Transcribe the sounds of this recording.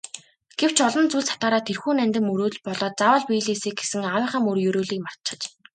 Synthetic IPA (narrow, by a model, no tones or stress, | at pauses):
ɡ̥ew̥t͡ɕɔɮɞ̆nt͡suɮsḁt̪aːɾaːt̪ʰerxuːnænʲt̪ɘ̆mɵɾuːɮpɔɮɔːt̪̚t͡sawə̆ɮpijɮiːsiːkɡesɘ̆ŋawə̆rχə̆mɵrjɵɾuːɮiːkmar̥t̪t͡ɕə̆t͡ɕ